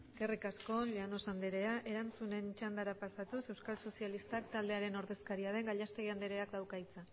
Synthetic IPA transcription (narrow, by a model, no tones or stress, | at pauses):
ɡe̞rikasko̞leano̞sand̪eɾe̞aʔe̞ɾant͡sune̞nt͡ʃand̪aɾapasat̪use̞wskalso̞sialist̪akt̪ald̪e̞aɾe̞no̞ɾðe̞skaɾiaðe̞ŋɡaʎast̪e̞ɣiand̪eɾe̞akd̪awkajt͡sa